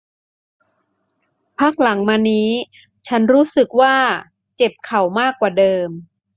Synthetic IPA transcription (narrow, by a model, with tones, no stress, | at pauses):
pʰaː˥˩k̚la˩˦ŋmaː˧niː˦˥ | t͡ɕʰa˦˥nɾuː˦˥sɯ˨˩k̚waː˥˩ | t͡ɕe˨˩p̚kʰa˨˩wmaː˥˩kːwaː˨˩dɤː˧m